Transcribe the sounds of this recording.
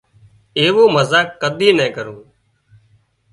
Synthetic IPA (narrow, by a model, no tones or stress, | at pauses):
eːʋoːməzaːkːəd̪ʱiːnɛ̃ːkəɾũː